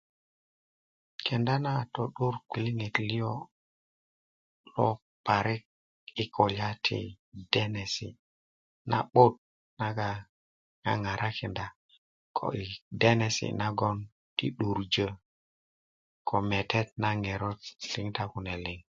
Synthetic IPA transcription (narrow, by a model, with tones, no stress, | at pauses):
kɛ˨nda˦na˦˨tɔ˨ɗu˦ɾkʷi˨li˦ŋe˨tli˦ɔ˦ | lɔ˦ | pa˨ɾɪ˦k̚ | i˦kʰo˨la˦tʰḭ˨ | d̥ɛ˦nɛ˨sḭ˨ | na̰˨ɓo˦t̚ | na˦ɡa˨ | ŋa̰˦ŋa˨ɾʔa˦kʰɛ˨nda˦ | kʰo̰˨ʔi˨de˦nɛ˨sḭ˨na˦ɡɔ˦n | tḭ˦ɗu˨ɾd͡ʒə˦ | kʰɔ˨mɛ˨tɛ˦t̚na˦ŋɛ˨ɾɔ˦tli˦ŋta˦ku˨nɛ˨lɪ˦ŋ